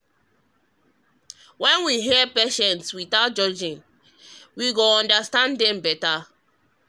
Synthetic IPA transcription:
wɛ̃nwiɦipɛʃɛ̃ntswitaʊt̚d͡ʒɔd͡ʒĩn | wiɡoɔ̃ndastãndɛ̃mbɛta

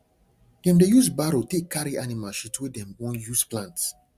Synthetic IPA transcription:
dɛ̃mdejusbaɾotekʰːaɾiʔanimalʃitwɛdɛ̃mwɔ̃njusplãnts

